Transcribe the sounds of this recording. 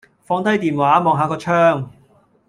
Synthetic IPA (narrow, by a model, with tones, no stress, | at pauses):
fɔː˧ŋt̪ɐ˥jt̪iː˨nwaː˨˥mɔː˨˧ŋɦaː˨˧kɔː˧t͡ʃʰœː˥ŋ